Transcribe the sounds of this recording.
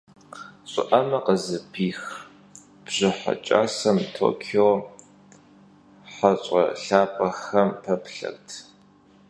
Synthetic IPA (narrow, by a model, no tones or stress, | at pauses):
ɕʼɪʔɐmɐqəzɨpʰiːx | b̥ʑ̥ɪħa̰t͡ʃʼa̰ːsɐmtʰo̰ːkʰioː | ħaɕʷʼɐ̰ɬaːpʼɐxɐmpʰɐpɬɐ̰rtʰ